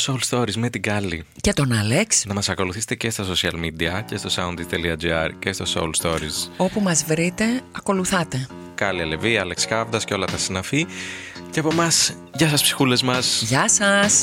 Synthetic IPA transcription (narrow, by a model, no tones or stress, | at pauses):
solst̪o̞ɾizme̞t̪iɡɐli | ce̞t̪o̞nɐleksnɐmɐsɐko̞luθise̥t̪ece̞st̪ɐso̞siɐ̰lmid̪iɐce̞st̪o̞sɐunt̪ist̪eliɐd͡ʒiɐɾce̞st̪o̞so̰ulst̪o̞ɾḭzo̞pumɐzvɾit̪e̞ɐko̞luθɐt̪e̞ | kɐliɐleviɐlekskɐvd̪ɐsceo̞lɐt̪ɐsinɐficeɐpo̞mɐs | ʝɐsɐspsi̥xule̞zmɐsʝɐsɐs